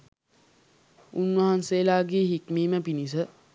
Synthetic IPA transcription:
unwaɦanselaːɡiːɦikmiːmɐpinis̬ə

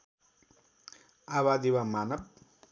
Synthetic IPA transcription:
aβad̪iwamaːnɐb̚

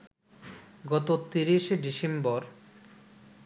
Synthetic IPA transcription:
ɡɔt̪ot̪iɾiʃɖisembɔɾ

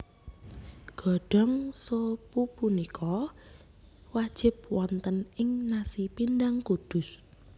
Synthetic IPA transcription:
ɡ̥ɔ̤ɖ̥ɔ̤ŋsopupunikʰɔ | wad̥ʒ̥ɪ̤p̚wɔnt̪ənɪŋnasipindaŋkud̪̥ʊ̤s

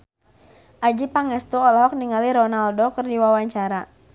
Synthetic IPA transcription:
ʔad͡ʒipaŋɛst̪uɔlɔɦɔk̚niŋaliɾɔnaldɔkərdiwawaɲt͡ʃaɾa

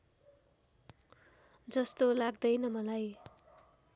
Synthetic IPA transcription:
d͡zʌst̪olaɡd̪ʌjnʌmʌlaj

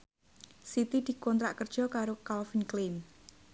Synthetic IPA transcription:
sit̪id̪̥i̤kɔnt̪ɾaʔkərd̥ʒ̥ɔ̤kaɾokalfinklim

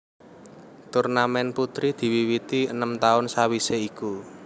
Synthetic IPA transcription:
t̪urnamɛnput̪ɾid̪̥i̤wiwit̪iənəmt̪aʊnsawiseiku

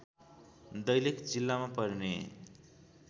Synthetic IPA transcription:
d̪ʌjlekd͡zilːamapʌɾine

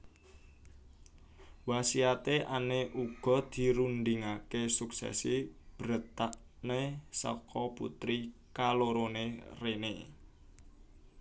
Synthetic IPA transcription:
wasiat̪eʔaneʔuɡ̥ɔ̤d̪̥i̤ɾund̪iŋakesuksɛ̰sib̥ɾət̪aʔ | nesɔ̰kʰɔpṵt̪ɾikaloɾonerene

